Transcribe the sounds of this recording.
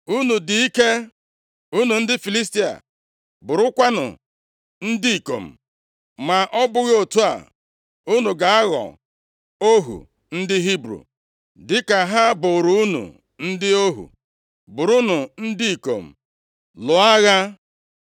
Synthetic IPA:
u˦nu˨dɪ˨i˦ke˦ | u˦nu˨n̩˦dɪ˦fi˨li˦s̬ti˦a̰˨ | bʊ˨ɾʊ˦kʷa˦nʊ̰˨ | n̩˦dɪ˦i˨ko̰˨m̩˨ | ma˨ʔɔ˦bʊ˦ɣo˨tu˦a̰˨ | u˦nu˨ɡa˨a˦ɣɔ̰˨ | o˦ɦṵ˨ | n̩˦dɪ˦ɦi˦bɾṵ˨ | dɪ˦ka˨ɦa˦bʊ˨ɾʊ˨u˦nṵ˨ | n̩˦dɪ˦o˦ɦṵ˨ | bʊ˨ɾu˦nʊ˨n̩˦dɪ˦i˨ko̰˨m̩˨ | lʊ˨a˦ɣa˦

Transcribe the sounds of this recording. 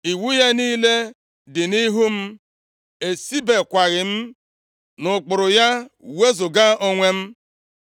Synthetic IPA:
i˨wu˦ja˦niː˦le˦ | dɪ˨ni˦ɦu˦m̩˦ | e˨si˦be˨kʷa˨ɣɪ˨m̩˦ | nʊ˨k͡pʊ˨ɾʊ˨ja˦we˦zʊ˨ɡa˦o˦ŋʷe˦m̩˦

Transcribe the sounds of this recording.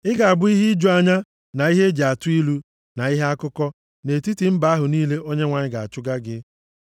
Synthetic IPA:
ɪ˦ɡa˨a˨bʊ˦i˦ɦi˦d͡ʒo˦a˦ɲa˦ | na˨i˦ɦe˦d͡ʒe˨a˨tʊ˦i˦lu˦ | na˨i˦ɦe˦a˦kʊ˦kɔ˦ | ne˨ti˦ti˨m̩˦ba˨˦a˦ɦʊ˨niː˦le˦ʔo˦ɲe˦ŋʷa˨ɲɪ˦ɡa˨a˨t͡ʃʊ˦ɡa˦ɡɪ˦

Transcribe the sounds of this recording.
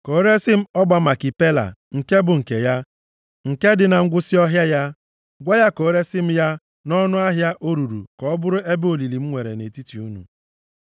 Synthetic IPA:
ko˨˦ɾe˦sɪ˦m̩˦ɔ˦ɡ͡ba˦ma˨ki˨pe˦la̰˨ŋ̩˨ke˦bʊ˨ŋ̩˨ke˨ja˦ | ŋ̩˨ke˦dɪ˨na˨ŋ̩˦ɡʷʊ˦si˦ɔ˦ɦja˦ja˦ | ɡʷa˦ja˦ko˨˦ɾe˦sɪ˦m̩˦ja˦ | nɔ˦nʊ˦a˦ɦja˦ʔo˦ɾu˨ɾṵ˨kɔ˨ɔ˦bʊ˦ɾʊ˦e˦bo˨li˨li˨m̩˦ŋʷe˨ɾḛ˨ne˨ti˦ti˨u˦nṵ˨

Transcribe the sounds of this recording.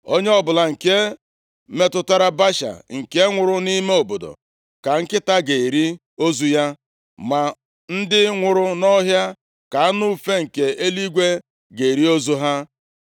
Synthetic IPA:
o˦ɲe˦ɔ˦bʊ˨la˨ŋ̩˨ke˦ | me˦tʊ˦ta˦ɾa˦ba˦ʃa̰˨ŋ̩˨ke˦ŋʷʊ˨ɾʊ˦ni˦me˦o˨bo˨do̰˨ | ka˨ŋ̩˦kɪ˦ta˦ɡe˨ɾi˦ | o˦zu˦ja˦ | ma˨ | n̩˦dɪ˦ŋʷʊ˨ɾʊ˦nɔ˦ɦja˦ | ka˨a˦nu˦˨fe˦ŋ̩˨ke˨e˦li˦ɡʷe˦ | ɡe˨ɾi˦o˦zu˦ɦa˦

